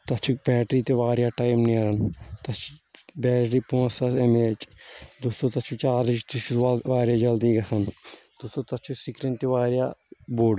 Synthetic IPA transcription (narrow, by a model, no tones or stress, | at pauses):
t̪ɐt͡ʃʰuk̚bɛːʈɾiːt̪eʋaːɾjaːʈaːjmniɐɾɐnt̪ɐt͡ʃʰu̥bɛːʈɾiːpõːsɐsemeːt͡ʃd̪ust̪oːt̪ɐt͡ʃʰut͡ʃaːɾit͡ʃt̪it͡ʃʰuʋaːɾjaːd͡ʒɐld̪iɡɐsɐnd̪̥ust̪oːt̪ɐt͡ʃʰusikɾent̪iʋaːɾjaːboːɖ